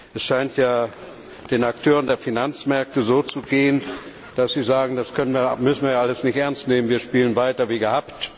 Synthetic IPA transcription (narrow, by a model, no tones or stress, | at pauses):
ʔɛsʃaɪntjaː | d̥eːnaktʰøːʁ̞əndeːɐfinant͡smɛɐk̚təzoːt͡suɡeːən | d̥asz̥iːzaːɡŋ̩daskʰœnənviːɐmʏsn̩viːɐjaʔaləsnɪçtʔɛɐnstneːmənviːɐʃpiːlənvaɪtɐviːɡəhapt